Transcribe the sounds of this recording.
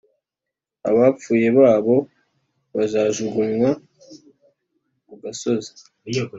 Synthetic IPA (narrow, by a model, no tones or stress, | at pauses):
a̰βap͡fuːje̞βaːβo̞ | βazaːʒuɡunwa | muɡaso̞zḁ